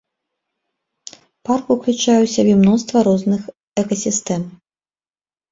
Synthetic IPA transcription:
parkuklʲut͡ʂajɛwsʲabʲɛmnɔst̪vɐɾɔznɨx | ɛkɐsʲist̪ɛm

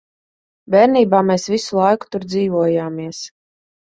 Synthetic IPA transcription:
bʲɛːɾniːbaːmeːsvisulˠajku̥t̪uɾd̪ziːvuɔjaːmiɛs

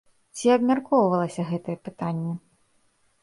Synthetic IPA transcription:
t͡sʲiɐbmʲarkɔwvɐlˠɐsʲɐɣɛt̪ɐjɛpɨt̪anʲːɛ

